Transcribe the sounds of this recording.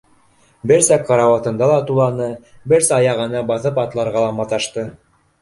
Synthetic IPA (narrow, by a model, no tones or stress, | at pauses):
bɘ̆ɾsækːɑɾɑwɑt̪ɤ̆nd̪ɑlˠɑt̪ulˠɑnɤbɘɾsæɑjɑʁɤ̆nɑbɑθɤpɑt̪lˠɑɾʁɑlˠɑmɑt̪ɑʃt̪ɤ